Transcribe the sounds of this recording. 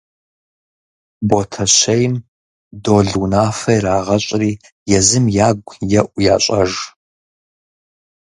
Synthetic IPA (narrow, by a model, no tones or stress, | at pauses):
botʰɐɕɐjm | doːɮuwnaːfɐjraːʁɐɕʷʼriː | jɛzɨmjaːɡʷjɛʔʷʼja̰ːɕʼɐʒ